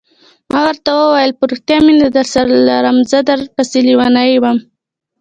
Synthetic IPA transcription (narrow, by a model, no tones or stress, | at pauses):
mɑwəɾt̪awəwajəlpəɾuxt̪jɑmend̪əd̪aɾsaɾlaɾəmzəd̪aɾpaseliwɑnajwam